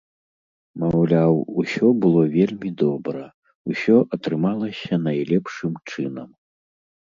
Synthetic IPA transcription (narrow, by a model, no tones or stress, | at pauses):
mɐwlʲawusʲɔbɨlˠɔvʲelʲmʲid̪ɔbɾɐ | usʲɔʔɐt̪ɾɨmalˠɐsʲɐnajlʲɛpʂɨmt͡ʂɨnɐm